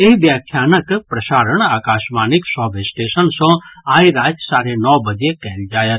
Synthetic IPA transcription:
eʋjaːkʰːjanəkpɾəʃaːɾəɳaːkaːʃmaniksɔbesʈeʃənsɔ̃aːiɾaːd͡ʒsaːɾenɔʋbəd͡ʒekɛɦnd͡ʒaːjet̪

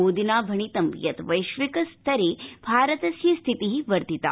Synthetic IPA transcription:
oːd̪inaːbʱɐɳ̃it̪ɐmjɐt̪ʋɐjʃʋikɐst̪ʰɐɾebʱaːɾət̪ɐsjɐst̪ʰit̪iɦiʋɐɾt̪it̪a̰ː

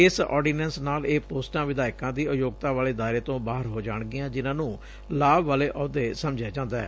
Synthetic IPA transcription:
ɪsɔ̰ːɾɖiːnɛ̃nsnaːleːpoːsʈãːʋɪd̪aːɪkãːd̪iːʊjoːɡ̚t̪aːʋaːleːd̪aːɪɾeːt̪õːbaːɦəɾɦoːd͡ʒaːɳɡɪjãːd͡ʒɪnãːnũː | laːbʋaːleːʔɔːd̪eːsəmd͡ʒjaːd͡ʒãːnd̪aɛː

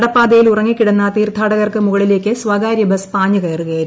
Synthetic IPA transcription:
ɽɐpːaːd̪ejilurɐŋːikːiɽenːɐt̪iːrt̪ʰːaːɽɐɣɐrkɨmuɣɐɭile̞ːkʲːɨsʋɐɡaːɾjɐbɐspaːɲuɣɐjɐrkeːɾ

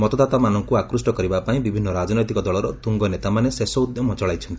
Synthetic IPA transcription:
mɔt̪ɔd̪at̪amanɔŋkuakɾusʈɔkɔɾibapaĩbibʱinːɔɾad͡ʒnɔjt̪ikɔd̪ɔɭɔɾɔt̪uŋɡɔnet̪amanesesɔud̪jɔmɔt͡ʃɔɭajt͡ʃʰɔnt̪ii̥

